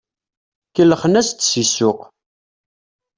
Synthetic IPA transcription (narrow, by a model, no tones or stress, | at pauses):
kəlːəχənæst̪ːsisʊq